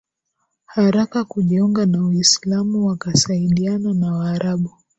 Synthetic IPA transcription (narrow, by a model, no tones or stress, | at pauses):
haɾakakuʄiuŋɡanawaislamuwakasaiɗiananawaːɾaɓu